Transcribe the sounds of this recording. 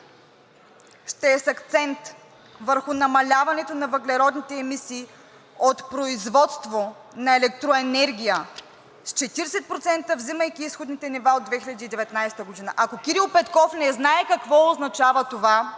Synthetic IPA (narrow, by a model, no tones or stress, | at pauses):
ʃt̪ɛːsɐkt̪sɛnt̪ | vəɾxʊnɐmɐlʲavɐnɛt̪onɐvəɡlʲɛɾɔd̪nit̪ɛːmisiː | ot̪pɾoizvɔt̪st̪vo | nɐɛlɛk̚t̪ɾoɛnɛɾɡʲijə | st͡ʃɛt̪iɾsɛt̪̚pɾot̪sɛnt̪əvziməjkʲiisxod̪nit̪ɛnivaod̪vɛxilʲɐd̪iːd̪ɛvɛt̪najst̪əɡod̪inəʔɐkokʲiɾilˠpɛt̪kɔfnɛznaɛkɐkvɔoznɐt͡ʃavət̪ova